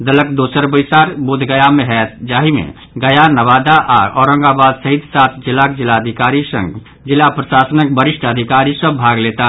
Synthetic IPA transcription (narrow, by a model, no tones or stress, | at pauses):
d̪ələkd̪oːsəɾbəɪsaːɾbʊd̪ʱɡəjamẽɦɛt̪d͡ʒaːɦimḛ̃ | ɡəjanəʋaːd̪aʔaːɾɔːɾə̃ŋɡabaːd̪səɦid̪saːt̪ʰd͡ʒɪlaːk̚d͡ʒɪlaəd̪ʱɪkaːɾisə̰̃ŋɡ | d͡ʒɪlapɾəʃaːsənək̚bəɾɪʃʈʰəd̪ʱɪkaːɾisəbʱaːɡleːt̪a